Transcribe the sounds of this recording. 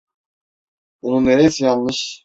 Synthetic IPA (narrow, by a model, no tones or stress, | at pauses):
bununːeɾeisijanmɯʃ